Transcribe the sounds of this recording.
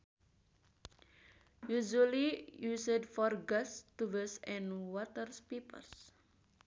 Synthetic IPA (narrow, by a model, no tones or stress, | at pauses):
juʒulijusədfɔrɡast̪uvɛsɛ̃nwɔtərspipə̰rs